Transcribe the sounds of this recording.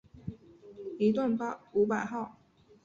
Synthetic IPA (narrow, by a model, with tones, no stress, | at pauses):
i˧˥t̪wa˥˩npa˥˧u˧˥pa˨˩ɪxɑ˥˩ʊ